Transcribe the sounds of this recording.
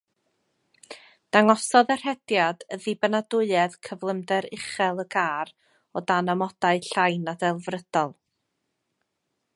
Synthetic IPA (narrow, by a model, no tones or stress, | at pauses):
d̥aŋɔsɔðɛr̥hɛdjad̥əðibənadʊɨɛðkʰəvlˠəmdɛɾɪχɛlˠəɡaːɾ | ɔdanamɔd̥aɨɬajnadɛlˠvrəd̥ɔlˠ